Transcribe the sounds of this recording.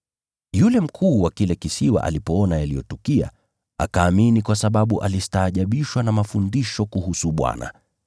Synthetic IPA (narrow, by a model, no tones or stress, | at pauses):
julɛm̩kʰuːwakilɛkisiwa̰ʔa̰lipɔɔnajalijɔtɔkia̰ | a̰kaːminikwasaɓaɓuʔalistaːʄaɓiʃwanamafundiʃɔkuhusuɓwa̰na̰